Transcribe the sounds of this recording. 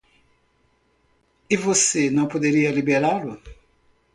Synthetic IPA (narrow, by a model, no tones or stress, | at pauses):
ɪvosenɐ̃w̃pod̪eɾiɐlibeɾalʊ